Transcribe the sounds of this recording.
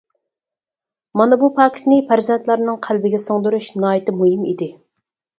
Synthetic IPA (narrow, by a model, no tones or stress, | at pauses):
mɑnɑbupʰɑkʲʰt̪nɪpʰæɾzɛnt̪lˠɑɾnɨŋqʰælbɪɡʲɛsoŋd̪uɾuʃnɑːjt̪ɪmuɦimḭd̪ɪ